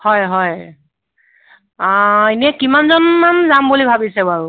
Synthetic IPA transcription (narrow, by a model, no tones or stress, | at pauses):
hɔjɦɔj | eniɛkimanzɔnmamzambulibʱabisɛbaɹu